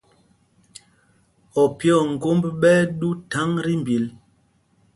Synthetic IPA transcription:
ɔ˨pjɔ˦˨ŋ̩˨ɡo˦mbɓɛ˦ɗu˦ta˨˦ŋɾi˦m˨bi˨l

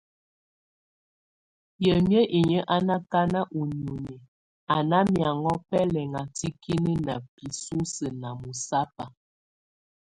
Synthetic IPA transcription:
jə˨mjə˦ʔi˨ɲə˦ʔa˦na˦ka˦na˦ʔu˨ɲ˨o˨ɲe˨ | a˨na˦mja˨ŋɔ˦pɛ˦lɛ˨ŋa˨ti˦ki˦nə˦na˨pi˨su˦sə˨na˨mu˨sa˦pa˨

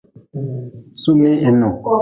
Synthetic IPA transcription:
su˦mẽ˦ɛ˨nɔ̃˨

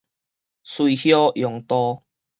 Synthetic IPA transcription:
swi˨hjɔ˦ʔjɔ˨˩ŋt̪ɔ˦

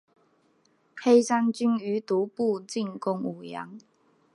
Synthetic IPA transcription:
he˥jsa˥nt͡ʃy˥ny˨˥t̪uː˨˥˦pu˥˧t͡si˥˨nkʊ˥ŋu˨˩jɐ̰˨˦ŋ

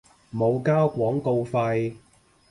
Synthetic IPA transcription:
mo˨˧wkaː˥wkʷɔː˨˥ŋko˧wfɐ˧j

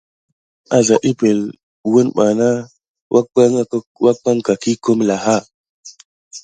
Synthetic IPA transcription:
a˦za˨ʔi˦pe˨l | wu˦nɓa˨na˦ | wa˦a˦ŋ˨˦wa˦k͡pa˦ŋka˨ki˦ko˦mla˨ɦa˦˨

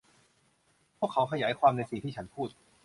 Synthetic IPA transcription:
pʰu˥˩əkʰːa˦˥wkʰa˧jaː˩˦jkʰwaː˧mna˧jsi˨˩ŋt̪ʰiː˥˩t͡ɕʰa˦˥npʰuː˥˩t̪̚

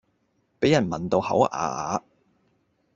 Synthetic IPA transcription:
pe˨˥jɐ˨˩nmɐ˨nt̪o˧whɐ̰˨˥wʔa̰ː˨˧ʔaː˨˧

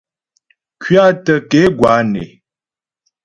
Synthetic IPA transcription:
kʰɥa˦tə˨ke˨˦ɡwa˨˦nḛ˨

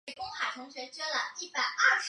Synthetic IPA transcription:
kʊ˥ŋxa˨˩ɪʈ͡ʂʰɤ˧˥ŋɕɥɛ˧˥t͡ɕɛ˥lə˨i˥˩pa˨˩ɪʔɐ˥˩ʂ

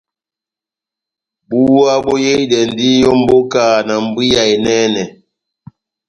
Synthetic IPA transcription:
bu˦a˦bɔ˦je˦i˦dɛ˨n˨di˦jɔ˦m̩˦bo˦ka˦˨na˨m̩˨bwi˦ja˨e˨nɛ˦nɛ˨

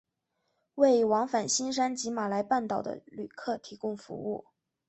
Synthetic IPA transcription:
we˥˩ɪwɑ˧˥ŋfa˨˩nɕi˥nʂ̬a˥nt͡ɕi˧˥ma˨˩la˧˥ɪpa˥˩nt̪ɑ˨˩ʊd̪ə̰˦ly˨˩kʰɤ˥˩t̪ʰi˧˥kʊ˥˧ŋfṵ˧˥u˥˩

